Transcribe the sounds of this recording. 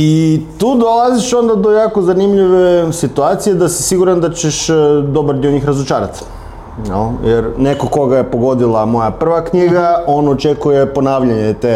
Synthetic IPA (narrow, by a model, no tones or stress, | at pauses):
it̪uːd̪olˠaziʃo̞nd̪ad̪ojaːkozanimʎiʋe̞sit̪uat̪sijed̪asi̥siɡuɾand̪at͡ɕeʃd̪o̞baɾd̪ioɲiːxɾazot͡ʃaːɾat̪ | jḛljeɾnekoko̞ɡajepo̞ɡo̞d̪ilˠamo̞japr̩ʋakɲiɡaʔo̞not͡ʃekujepo̞naːʋʎaɲet̪e